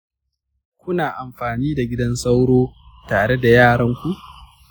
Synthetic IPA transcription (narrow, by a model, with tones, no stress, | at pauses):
kʷʊ˦naː˨ʔa˨mɸaː˨niː˦da˨ɡʲɪ˦dɐ˦nsa˦wɽoː˦taː˨ɽe˦da˨jaː˦˨ɽɐ˦ŋkʷu˦ʔ